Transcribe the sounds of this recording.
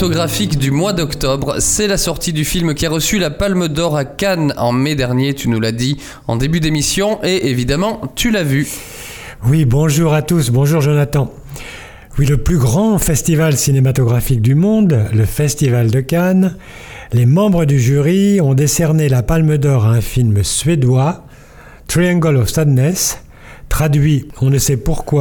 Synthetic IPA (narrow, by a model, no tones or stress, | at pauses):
t̪ɔɡʁafikd̪ymwad̪ɔkt̪ɔbʁsɛlasɔʁt̪id̪yfilmkʲiaʁəsylapalməd̪ɔʁakanɑ̰̃med̪ɛʁnjet̪ynulad̪i | ɑ̰̃d̪ebyd̪emisjɔ̃ʔeʔevid̪amɑ̃t̪ʰylavy | wibɔ̃ʒuʁat̪usbɔ̃ʒuʁʒonat̪ɑ̃ | wiləplyɡʁɑ̃fɛst̪ivalsinemat̪ɔɡʁafik̚d̪ymɔ̃d̪ləfɛst̪ivald̪əkan | lemɑ̃bʁəd̪yʒyʁiɔ̃d̪esɛʁnelapalməd̪ɔʁaɛ̃filmsɥed̪wa | t̪χiɛ̃ɡɔlɔfst̪ad̪nɛs | t̪χad̪ɥiɔ̃nəsɛpuʁkwa